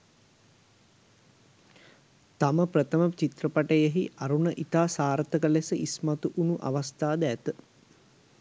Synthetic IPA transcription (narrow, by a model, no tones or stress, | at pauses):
t̪aməprət̪əmət͡ʃit̪rəpaʈəjəɦiʔaɾunəʔit̪aːsaːɾt̪əkəlesəʔismat̪uʔunuʔa̰ʋast̪aːd̪æt̪ə